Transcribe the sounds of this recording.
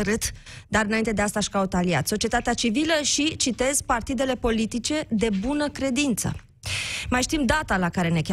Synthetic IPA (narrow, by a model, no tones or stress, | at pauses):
ɾɨt̪ | d̪aɾɨnaint̪ed̪east̪aʃkaut̪alia̰t̪so̞t͡ʃie̞t̪at̪eat͡ʃiviləʃit͡ʃit̪e̞zpart̪id̪e̞le̞po̞lit̪it͡ʃe̞d̪e̞bunəkɾe̞d̪int̪sə̰ | majʃt̪imd̪at̪alakaɾe̞ne̞kʲa